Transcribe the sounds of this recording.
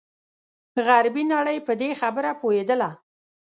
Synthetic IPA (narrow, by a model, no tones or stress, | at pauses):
ɣaɾbinaɽəjpəd̪exabəɾapohed̪əla